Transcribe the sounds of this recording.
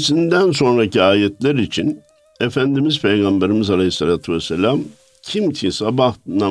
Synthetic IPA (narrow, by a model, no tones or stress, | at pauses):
sind̪æns̬o̞nɾaciaːjɛt̪lʲæɾit͡ʃʰin | efænd̪imizpʰejɡambeɾimizalʲejisːalʲaːt̪ʰyvɛsːelʲam | cʰimt̪ʰisabahna